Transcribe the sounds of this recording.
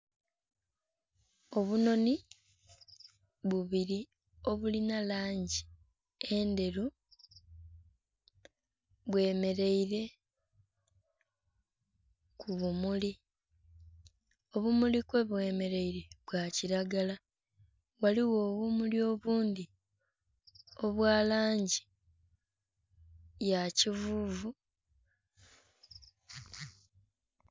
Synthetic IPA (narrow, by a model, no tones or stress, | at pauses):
o̞βuno̞ni | βuβiɾi | o̞βulinalaːɲɟi | e̞nde̞ɾu | βwe̞ːme̞ɾe̞iɾe̞ | kʰuβumuli | o̞βumulikwe̞βwe̞ːme̞ɾe̞iɾe̞βwaːciɾaɡala | waliwo̞ːβumulio̞ːβuːnd̪i | o̞βwaːlaːɲɟi | jacivuːvu